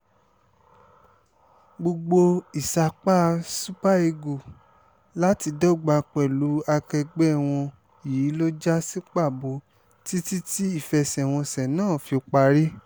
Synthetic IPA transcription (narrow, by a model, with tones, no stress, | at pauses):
ɡ͡bo˧ɡ͡bo˧i˨sa˧˨k͡pa˦˧su˦pa˦e˧ɡu˨ | la˦ti˧dɔ˦ɡ͡ba˧k͡pɛ˨lu˨˦a˧kɛ˧ɡ͡bɛ˦˨w̃ɔ̃˧ | i˨i˨˦lo˦d͡ʒa˦si˦k͡pa˦˨bo˨˦ | ti˦ti˦ti˦i˦˨fɛ˨sɛ˨w̃ɔ̃˧sɛ˨nãː˦˨fi˧o˧k͡pa˧ɾi˦